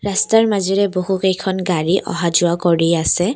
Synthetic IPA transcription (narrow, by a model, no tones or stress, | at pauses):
ɹastaɹmaziɹɛboɦukejkʰɔnɡaɹiʔɔ̰ɦad͡ʒʊakɔɹijasɛ